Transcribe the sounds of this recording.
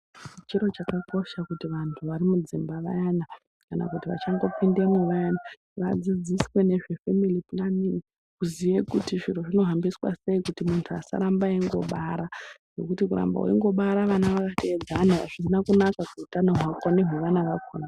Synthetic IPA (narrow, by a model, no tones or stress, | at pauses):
t͡ʃit͡ʃiɾo̞t͡ʃakako̞ʃakutiʋantʰuʋaɾimud͡zimbaʋa̰jana | kana̰kutiʋa̰t͡ʃaŋɡo̞pindemweʋajana | ʋa̰d͡zid͡ziswe̞ne̞ʐe̞femilipunamini | kuziʋekutiʐiruʐino̞ɦambiswa̰se̞ikutimuntʰua̰sa̰ɾambaeŋɡo̞̰ɓaɾaʐ̥e̞kutikuɾa̰mba̰wḛiŋɡo̞ɓaɾaʋanaʋakatʰeed͡zanaa̰ʐ̥isinakunakakuutanoɦwakoneɦweʋanaʋakoːna